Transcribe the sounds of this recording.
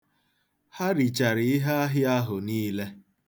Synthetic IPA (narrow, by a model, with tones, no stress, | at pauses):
ha˦ɾi˨t͡ʃa˨ɾɪ˨ɪ˦ɦa˦a˦ɦɪ˦a˦ɦʊ˨niː˦le˦